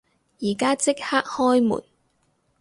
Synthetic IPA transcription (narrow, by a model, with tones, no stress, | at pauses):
jiː˨˩kaː˥t͡sɪ˥k̚haː˥k̚hɔː˥jmṵː˨˩n